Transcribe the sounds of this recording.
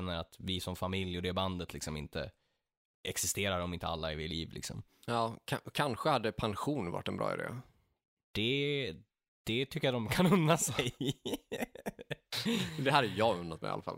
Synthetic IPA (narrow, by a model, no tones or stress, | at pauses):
nːəɾat̪vɪsɔmfamɪljɔd̪ɛband̪ət̪lɪksɔmɪ̰nt̪ə̰ | ʔɛksɪst̪eːɾaɾɔmɪnt̪əalːaɪvɪɭiːvlɪ̰ksɔ̰mɑːkʰa̰kʰanɧəhad̪ːəpʰanɧuːnva̰ʈːɛnbɾɑ̰ːɪ̰d̪ḛː | d̪̥ɛ | d̪̥ɛt̪ʰʏkːəjad̪ɔmkʰanɵnːasɛj | d̪ɛhaɾəjɑɵnːat̪mɛ̰jʔa̰afa̰l